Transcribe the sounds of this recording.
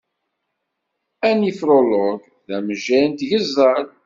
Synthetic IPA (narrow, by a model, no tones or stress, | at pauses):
ænifɾoloɡ | ðæməʒænt̪ʝəzˤːəɾ